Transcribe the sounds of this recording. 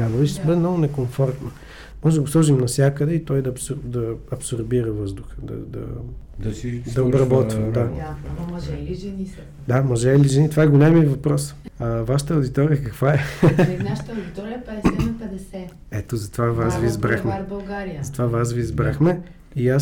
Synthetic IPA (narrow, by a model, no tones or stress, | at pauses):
abɐvit͡ʃsbəd̪ɛmnɔɡʊnɛkoɱfɔɾt̪no | mɔʒɛd̪əɡʊslˠɔʒimnɐfsʲjakəd̪ɛit̪ɔjd̪ɐpsd̪ɐɐpsoɾbiɾəvɤzd̪ʊxə̥d̪ɐ̰d̪ɐ̰d̪d̪ɐobɾɐbɔt̪vimd̪a | ɛiʒɛni | d̪amɐʒɛiliʒɛnit̪ovaɛɡolʲɛmivɐpɾɔsavaʃə̥t̪əɐʊd̪it̪ɔɾijəkɐkvaɛnaʃt̪ːd̪it̪ɔɾiɐpɛɛɐpɛd̪ɛsɛ | ɛt̪ozɐt̪ovavasvizbɾaxmɛbɐlˠɡaɾiəzɐt̪ovavasviːzbɾaxmɛ | ia